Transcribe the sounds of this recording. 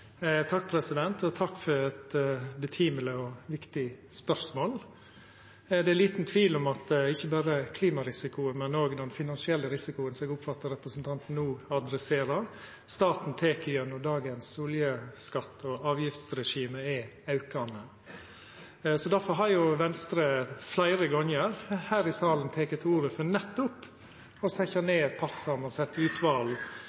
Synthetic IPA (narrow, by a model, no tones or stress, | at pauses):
t̪ʰɑk̚ːpʰɾɛsɪd̪ɛnt̪ʰɔt̪ʰɑkːfɔɾɛt̪bət̪ʰiːmələɔʋɪkt̪ɪspœɾsmoːl | d̪ɛɛliːt̪n̩t̪ʰʋiːlɔmɑt̪ɪçːəbɑːɾəkʰliːmɑɾɪsɪkʊəmɛnoːɡd̪ɛnfɪnɑnsɪɛlːəɾɪsɪkʊənsɛɡʊpfɑt̪ːəɾɛpɾəsnt̪ʰɑnt̪n̩nuːɑd̪ɾɛseːɾəɾ | st̪ɑːt̪n̩t̪ʰeːkəjœnɔd̪ɑːɡənsuːljəskɑt̪ːɔɑːʋjɪft̪sɾɛʂiːməɛ | ɑʉkɑnə | sɔd̪æɾfɔɾɦɑɾjʊʋɛnst̪ɾəflæɪɾəɡɔnjəɾhæːɾɪsɑːlənt̪ʰeːkət̪ʰuːʋəfɔɾnɛt̪ːʊp | ɔsɛçɑneːɛt̪̚pʰɑssɑmɑnsɛt̪ːʉːt̪ʰʋɑːl